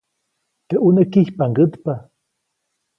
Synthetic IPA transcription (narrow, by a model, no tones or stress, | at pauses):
t̪eʔunəkiçpaŋɡət̪pa